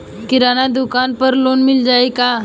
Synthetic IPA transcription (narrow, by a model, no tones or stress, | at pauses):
kiɾanad̪ukanpəɾlonmild͡ʒaika